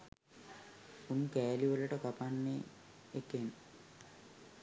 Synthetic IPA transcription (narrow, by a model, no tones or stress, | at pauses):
unːukɛːliʋɐlːɐʈɐkɐpanːe | ekːen